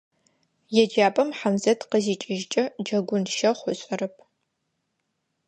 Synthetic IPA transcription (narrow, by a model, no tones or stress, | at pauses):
jɛd͡ʒaːpʼɐmħamzɐtqəziːt͡ʃʼɪʒt͡ʃʼɐd͡ʒɐɡʷʊnʃɐχʷʊɕʼɐrɐp̚ʰ